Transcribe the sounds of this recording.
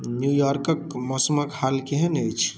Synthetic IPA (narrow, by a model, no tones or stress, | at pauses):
njujɔɾkəkmɔsmakhalkeɦənəjt͡ʃʰ